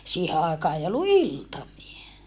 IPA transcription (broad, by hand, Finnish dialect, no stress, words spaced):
siːhe ɑˑekɑː ei olːu iltɑmie